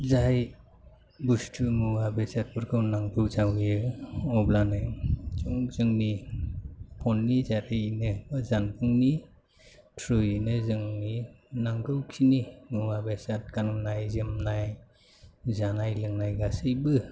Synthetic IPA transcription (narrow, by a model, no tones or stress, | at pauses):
zaj | bustʰumɯwabesat̚pɯɾkʰɯwnaŋdɯwzawjɯɔblanɯt͡ʃuŋzɯŋni | pʰɔnːizaɾɯnɯzanpʰɯŋni | tʰɾujnɯzɯŋninaŋdɯwkʰinimɯwabesat̚kanɯmnajzɯmnaj | zanajlɯŋnajɡasɯjbɯ